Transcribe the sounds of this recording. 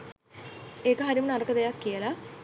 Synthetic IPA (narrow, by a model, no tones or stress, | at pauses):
eːkəɦaɾimunɐrɐkːəd̪ejakːijəla